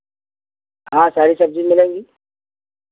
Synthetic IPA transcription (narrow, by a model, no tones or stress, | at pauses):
ɦãːsaːɾisɐb̚zimɪlẽːŋɡiː